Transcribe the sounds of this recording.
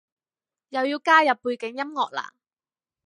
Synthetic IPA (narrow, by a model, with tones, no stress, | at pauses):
jɐ˨wjiː˧wkaː˥jɐ˨pːuː˧jkɪ˨˥ŋjɐ˥mŋɔː˨k̚la̰ː˨˩ŋ